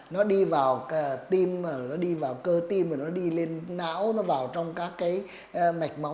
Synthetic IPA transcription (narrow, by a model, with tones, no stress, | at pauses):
nɔ˨˦ɗi˧vaː˨˩wt̪i˧məː˨˩nɔ˨˦ɗi˧vaː˨˩wkəː˧t̪i˧məː˨˩nɔ˨˦ɗi˧le˧nːa̰ː˧˥wnɔ˨˦vaː˨˩wt͡ɕɔ˧wŋ͡mkaː˦˥kːaː˨˦j | ma˨˩jk̟̚ma˨˦w